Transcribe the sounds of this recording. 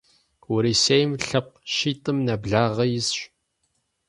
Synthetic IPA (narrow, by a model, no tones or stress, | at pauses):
wʊɾisejmɬəqʃit̪ʼˤəmnæbɮaʁəjɪsʃʷ